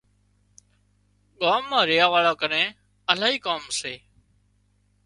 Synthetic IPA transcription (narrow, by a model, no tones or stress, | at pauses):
ɠaːmːãːɾɪjaːʋaːɭaːkənẽː | əlaːiːkaːmseː